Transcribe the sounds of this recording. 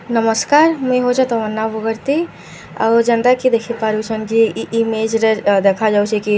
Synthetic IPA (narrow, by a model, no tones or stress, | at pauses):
nɐməskaːɾmeɦot͡ʃet̪oʋənːaʋəɡəɾt̪i | ɐ̰d͡ʒɐnd̪akid̪eːkʰipaːɾut͡ʃʰɐnkiːmeːd͡ʒɾd̪eːkʰad͡ʒaːut͡ʃʰeki